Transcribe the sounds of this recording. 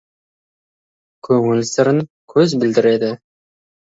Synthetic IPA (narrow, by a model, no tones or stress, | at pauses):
kʲʰɵŋɪlsɪɾɪŋkʲʰɵzbɪld̪ɪɾe̞d̪ɪ